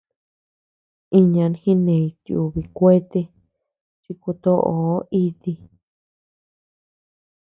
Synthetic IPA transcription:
i˧ɲã˧nhĩ˦nẽ˨i˧t̪ju˧βi˧kʷe˦t̪e˧ | ʐi˧ku˧t̪o˦ʔo˨˦i˧t̪i˧

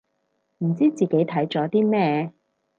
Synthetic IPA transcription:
m̩˨˩t͡siː˥t͡siː˨ke˨˥jt̪ʰɐ˨˥jt͡sɔː˨˥t̪iː˥mɛː˥

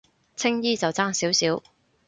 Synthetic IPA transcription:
t͡sʰɪ˥ŋjiː˥t͡sɐ˨wt͡saː˥ŋsiː˨˥wsiː˨˥w

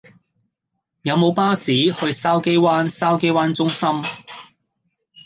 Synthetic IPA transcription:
jɐ˨˧wmo˨˧wpaː˥siː˨˥hɵ˧ɥsaː˥wke˥jwaː˥nsaː˥wke˥jwaː˥nt͡sʊ˥ŋsɐ˥m

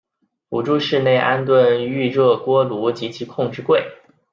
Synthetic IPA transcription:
u˨˩ʈ͡ʂu˥ʂɻ̩˥˧ne˥˩ɪʔa˥nt̪wə˥˧ny˥˧ɻɤ˥˩kwɔ˥lu˧˥t͡ɕi˧˥t͡ɕʰi˧˥kʰʊ˥˧ŋʈ͡ʂɻ̩˥˧kwe˥˩ɪ

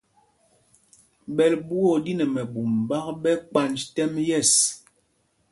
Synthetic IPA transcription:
bɛ˨lbu˦ɔ˦˨di˦nɛ˨mɛ˨bu˨mba˦k̚ɓɛ˦ka˨nd͡ʒtɛ˦mjɛ˦˨s

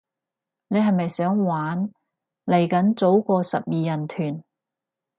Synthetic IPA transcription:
ne˨˧jɦɐ˨jmɐ˨jsœː˨˥ŋwaː˨˥n | le˨˩jkɐ˨˥nt͡so˨˥wkɔː˧sɐ̰˨p̚jiː˨jɐ˨˩nt̪ʰyː˨˩n

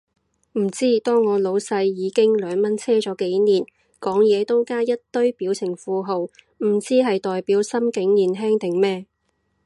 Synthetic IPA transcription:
m̩˨˩t͡siː˥t̪ɔː˥ŋːɔː˨˧lo˨˧˥wsɐ˧jːiː˨˧kɪ˥ŋlœː˨˧ŋmɐ˥nt͡sʰɛː˥t͡ʃɔː˨˥ke˨˥jniː˨˩n | kɔː˨˥ŋjɛː˨˧t̪o˥wkaː˥jɐ˥t̚t̪ɵ˥ɥpiː˨˥wt͡sʰɪ˨˩ŋfuː˨˧ɦo˨w | m̩˨˩t͡siː˥ɦɐ˨jt̪ɔː˨jpiː˨˥wsɐ˥mkɪ˨˥ŋniː˨nɦɛː˥ŋt̪ɪ˨˩ŋmɛː˥

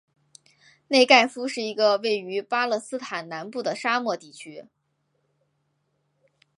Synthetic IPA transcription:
ne˥˧ɪka˥˩ɪfu˥ʂɻ̩˥˩i˧˥ɡə˧we˥˩ɪy˧˥pa˥lɤ˥˩sɹ̩˥t̪ʰa˨˩nna˧˥npu˥˩d̪ə˩ʂa˥mwɔ˥˧t̪i˥˩t͡ɕʰy˥

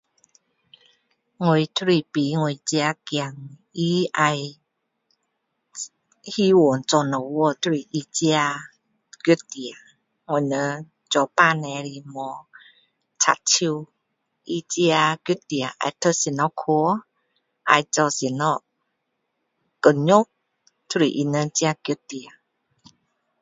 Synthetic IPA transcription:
ŋo˧˨jt̪ʰɾi˧˨pi˨˦ŋo˧˨jt͡si˧a˧kja˨ŋi˦a˧j | hi˦wo˨nt͡sɔ˧nə˨wɔ˧˨t̪ʰɾi˨ʔi˧t͡si˧a˧ | ky˧˦t̪i˨a˨ | ŋo˨nə˧˦ | t͡ʃɔ˧pa˧˨nɛ˧ɾi˧mɔ˧ | t͡sʰa̰˧˨tʰi˧w | ʔi˧t͡si˧a˧ki˧˦t̪i˨a˨ʔa̰˨˧˨t̪ʰə˧˦si˨nɔ˧˦kʰu˧˦ | ʔa̰˧jt͡sɔ˧si˨nɔ˧˦ | kə˨ɲo˦k̚ | t̪ʰu˦˧ɾi˨ʔi˧nə˧˦t͡si˧˦a˧ki˧˦ti˨a˨

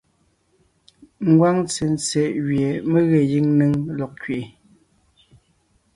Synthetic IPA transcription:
ŋ̩˦ɡwa˦ŋt͡se˨n˨t͡sɛ˨ʔɣɥje˨me˦ɣɛ˨ji˦ŋne˦ŋlɔ˨k̚kɥʔe˨

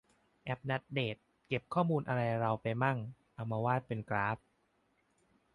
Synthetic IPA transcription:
ʔɛ˦˥p̚na˦˥t̪̚deː˨˩t̪̚ | ke˨˩p̚kʰɔː˥˩muː˧nʔa˧ɾa˧jɾa˧wpa˧jma˥˩ŋʔa˧wmaː˧waː˥˩t̪̚pe˧nkɾaː˦˥p̚

